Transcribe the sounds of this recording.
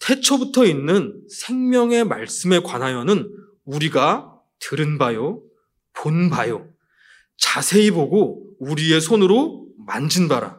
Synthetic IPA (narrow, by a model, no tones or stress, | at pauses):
tʰe̞t͡ɕʰʌbutʰʌinːɯnsʰe̞ŋmjʌŋe̞maɭs͈ɯme̞kwanɦajʌnɯn | uɾiɡa | tɯɾɯnbajo | ponbajo | t͡ɕasʰe̞iboɡouɾie̞sʰonɯɾomand͡ʑɯnbaɾa̰